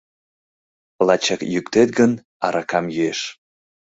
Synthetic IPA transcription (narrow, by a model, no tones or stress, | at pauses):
lɑt͡ɕɑkjykt̪et̪̚ɡən | ɑɾɑkɑmjyeʃ